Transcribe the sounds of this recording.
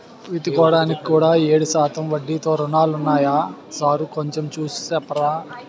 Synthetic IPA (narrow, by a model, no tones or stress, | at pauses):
ʋit̪ikɔːɽaːniki̥kuːɽaːeːɽuʃaːt̪ɐmʋɐɖːit̪o̞ːɾunaːlunːaːjaːsaːɾukoɲt͡ʃemt͡ʃuːsu̥sɛpːɐɾaː